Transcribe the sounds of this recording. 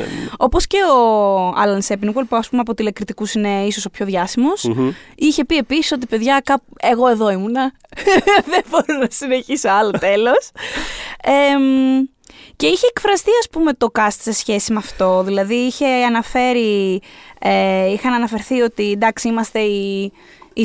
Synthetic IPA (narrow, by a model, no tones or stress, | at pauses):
o̞po̞sce̞oɐ̰lɐnsepinuɣolpuɐspumeɐpot̪ilekɾit̪ikusine̞iso̞sopço̞ðʝɐsimo̞siçe̞pie̞pisi̥so̞t̪ipe̞ðʝɐkɐpe̞ɣo̞e̞ðoimunɐ | ðenbo̞ɾiznɐsine̞çisoɐlot̪e̞lo̞s | em | ce̞içe̞ːkfɾɐst̪iɐspume̞t̪o̞kɐst̪se̞sçe̞simɐft̪o̞ðilɐðiiçe̞ɐnɐfe̞ɾi | eixɐnɐnɐfe̞ɾθio̞t̪ind̪ɐksiimɐst̪e̞i | i